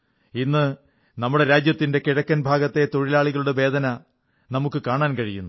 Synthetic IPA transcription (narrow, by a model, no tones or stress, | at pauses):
inːɨ | nɐmːuɽe̞ɾaːd͡ʑjɐt̪ːinde̞kiɻɐkːɐnbʱaːɡɐt̪ːe̞t̪o̞ɻilaːɭiɣɐɭuɽe̞ʋe̞ːd̪ʱɐnɐ | nɐmukːɨkaːɳaːnkɐɻijunːu